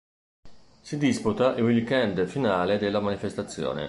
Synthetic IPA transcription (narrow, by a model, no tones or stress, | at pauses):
sid̪isput̪aʔiwikɛnd̪finaːled̪elːamanifest̪at̪sːjo̰ːnḛ